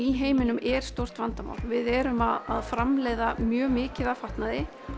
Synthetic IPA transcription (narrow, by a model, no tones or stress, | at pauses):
iɦeːjmɪnʏmɛɾ̥st̪owr̥t̪vant̪ama̰wlvɪðɛːɾʏmaðaðfɾamleːjðamjœːmɪːcɪðafaht̪naðɪ